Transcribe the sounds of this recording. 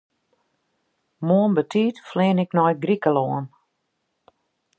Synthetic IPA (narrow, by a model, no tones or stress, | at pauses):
moənbətʰiːtflɪːnɪknɔj̚ɡrikəlɔːn